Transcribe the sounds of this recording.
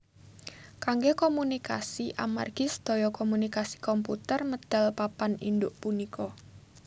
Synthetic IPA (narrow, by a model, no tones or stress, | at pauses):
kaŋɡekomunika̰siʔa̰ma̰rɡ̥ɪsd̪̥ojɔkɔmunikasi̥kɔmpṵt̪ərməd̪̥alpapanḭndʊʔpunikʰɔ